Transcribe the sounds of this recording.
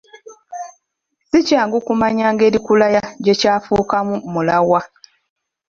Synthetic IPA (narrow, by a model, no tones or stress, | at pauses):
sicaːŋɡukumaɲaːŋɡe̞ːɾikulajaɟecaːfuːkamumulawa